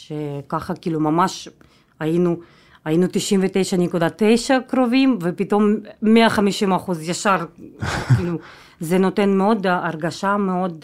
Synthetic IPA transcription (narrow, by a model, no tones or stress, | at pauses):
ʃekaχakiːlumamaʃ | ajinu | ajinut̪iʃimvet̪e̞jʃanikud̪at̪ejʃakɾo̞vimvepit̪o̞mːeaχamiʃimaχuzjaʃaɾkilu | zeno̞t̪e̞nmeo̞d̪aɾɡaʃameo̞d̪